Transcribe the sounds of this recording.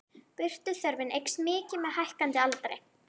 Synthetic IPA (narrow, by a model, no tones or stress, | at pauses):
pʏr̥t̪ʏθœɾvɪnʔejksmɪːcɪmɛðhajhkant̪ɪalt̪ɾḛj